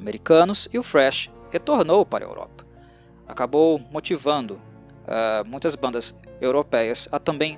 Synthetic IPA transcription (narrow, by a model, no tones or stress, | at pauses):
ameɾikɐ̃nʊsɪʊfɾɛʃhet̪oɾnowpaɾɐḛwɾɔ̰pɐ̥ | akabowmot͡ʃivɐ̃nd̪ʊ | ɛmũj̃t̪ɐzbɐ̃nd̪ɐsewɾopɛjɐsɐt̪ɐ̃mbẽj̃